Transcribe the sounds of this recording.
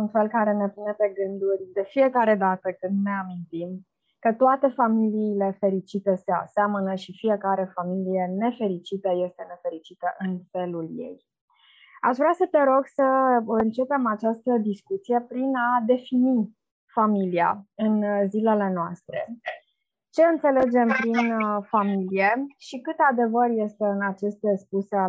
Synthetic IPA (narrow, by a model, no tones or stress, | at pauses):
unfe̞lkaɾe̞ne̞pune̞pe̞ɡɨnd̪urʲd̪e̞fije̞kaɾe̞d̪at̪əkɨnd̪ne̞amint̪im | kət̪oat̪e̞familiːle̞fe̞ɾit͡ʃit̪əsea̰seamənəʃifije̞kaɾe̞familije̞ne̞fe̞ɾit͡ʃit̪əje̞st̪e̞ne̞fe̞ɾit͡ʃit̪əʔɨnfe̞luljḛj | a̰ʃvɾasət̪eɾo̞ɡsəɨnt͡ʃe̞pe̞mat͡ʃast̪əd̪iskut̪sije̞pɾinad̪e̞fini | familia̰ɨnzile̞le̞noast̪ɾe̞̰ | t͡ʃe̞ɨnt̪se̞le̞d͡ʒe̞mpɾinfamilijeʃikɨt̪ead̪e̞vərje̞st̪e̞ɨnat͡ʃe̞st̪espusea